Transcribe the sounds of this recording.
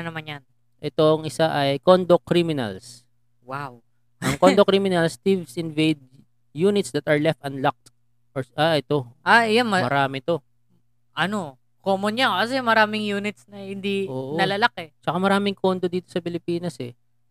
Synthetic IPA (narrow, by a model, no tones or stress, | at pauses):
nɐmanjɐn | ʔɛt̪oŋʔɪsaʔɐjkond̪okɾimɪnɐ̰ls | waw | ʔɐŋkond̪okɾimɪnɐlst̪ivsʔɪnvejd̪̚ | juːnɪt̪sd̪ɐt̪ɐɹlɛft̪ɐnlak̚t̪ | ʔoɹʔaʔɛt̪o̞ʔajammɐmɐɾaːmɛt̪o̞ | ʔɐno̞ | koːmonɲakɐsɛmɐɾaːmɪŋjuːnɪt̪snɐhɪnd̪iʔoːʔonɐlalakɛt͡ʃɐkamɐɾaːmɪŋkʰond̪od̪iːt̪osɐpɪlɪpiːnɐsɛ